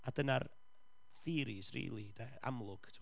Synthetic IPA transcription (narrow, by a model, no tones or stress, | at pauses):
adənar | θiːɾisrḭːlˠidɛa̰mlˠʊɡ̥tʰ